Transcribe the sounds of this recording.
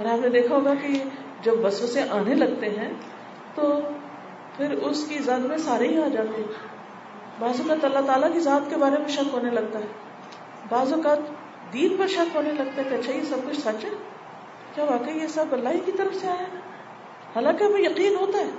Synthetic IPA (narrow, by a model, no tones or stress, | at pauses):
ɔɾaːpned̪eːkʰaɦoːɡaki | d͡ʒɐbːɐswəsẽʔaːnelɐɡ̚t̪eɦɛ̃ | t̪o | pʰɪɾʊskizaːd̪mẽsaːɾeɦiaːd͡ʒaːt̪eɦɛ̃ | baːzɔːkaːt̪ɐlːat̪aːlakizaːt̪kebaːɾemẽʃɐkɦoːnelɐɡ̚t̪aɦɛː | baːzɔːkaːt̪ | d̪iːnpɐɾʃɐkɦoːnelɐɡ̚t̪aɦɛk̪ɐtːʃʰajesɐb̚kʊt͡ʃʰsɐt͡ʃɦɛ̃ | kjaːʋaːkəijesɐbbɐlːaːikit̪ɐɾəfseaːe | haːlãːkeɦɐmẽjɐqiːnɦoːt̪aɦɛː